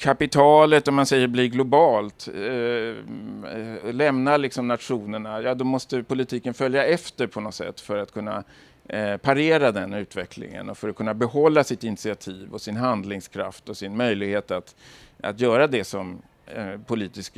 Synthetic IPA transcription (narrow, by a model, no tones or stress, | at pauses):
kʰapɪt̪ʰɑːlət̪ɔmansɛjːəɾblɪɡlʊbɑːlt̪ | lɛmnalɪksɔmnat̪ɧuːnəɳajɑːd̪ɔmɔst̪əpʊlɪt̪ʰiːkənfœljaɛft̪əɾpʰɔnɔt̪sɛ̰t̪ːfœɾat̪kʰɵnːa̰ | pʰaɾeːɾad̪ɛnʉ̟ːt̪vɛklɪ̰ŋə̰nɔfœɾɔkʰɵnːabɛɦɔlːasɪt̪ɪnɪt̪sɪat̪ʰiːvɔsɪnɦand̪lɪŋskʰɾa̰ft̪ɔsɪnmœjlɪɡheːt̪at̪a̰t̪jœːɾad̪ɛsɔm | pʰʊliːt̪ɪsk